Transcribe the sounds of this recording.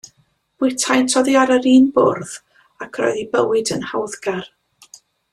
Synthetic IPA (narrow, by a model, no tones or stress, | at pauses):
b̥wɪtʰajntʰɔðiaɾəɾiːnbʊ̰rð | akʰrɔ̰jðibəwɪdənhawðɡar